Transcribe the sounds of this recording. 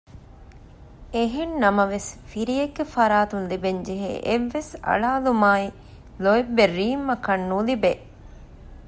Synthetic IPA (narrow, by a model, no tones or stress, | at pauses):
eɦennɐmɐʋesfiɾijeɡːefɐɾaːt̪unlibeɲd͡ʒeɦḛʔeʋːesɐ̰ɭaːlumaːi | loebːeɾiːmːɐkɐnːulibe